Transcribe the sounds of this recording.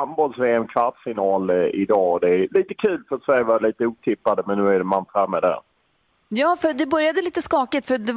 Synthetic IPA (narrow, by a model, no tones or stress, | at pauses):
ambɔlsveːɛmkʰvaʈ̪sfɪnɑːlɪ̰d̪ɑːɔd̪ɛæliːt̪əkʰʉ̟ːlfœɾat̪sɛɾjvɑliːt̪əuːt̪ʰɪpːad̪əmɛnːʉ̟ːæɖɛmant̪ɾɛmːəd̪æ̰ɾ | jɑːfœd̪ɛbœɾjad̪əliːt̪əskɑːkɪt̪fœd̪ɛ